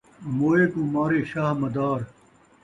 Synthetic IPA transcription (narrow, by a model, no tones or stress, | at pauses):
moːeːk̪ũːmaːɾeːʃaːɦmɐd̪aːɾ